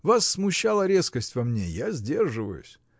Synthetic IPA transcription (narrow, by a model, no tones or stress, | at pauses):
vasːmʊɕːalˠəɾʲe̞skəsʲtʲvɐmnʲḛjazʲdʲe̞rʐɨvə̰jʊ̰sʲ